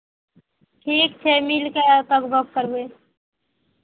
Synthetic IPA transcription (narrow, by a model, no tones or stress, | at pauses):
ʈʰiːkt͡ʃʰemilket̪əkbəkkəɾbe